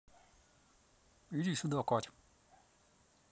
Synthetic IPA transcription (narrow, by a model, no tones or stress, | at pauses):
iɾisud̪ɔkɔt͡ʃ